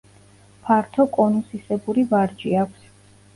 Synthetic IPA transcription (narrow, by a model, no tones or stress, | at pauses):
pʰaɾt̪ʰɔkʼɔnusisɛbuɾivaɾd͡ʒiakʷʰs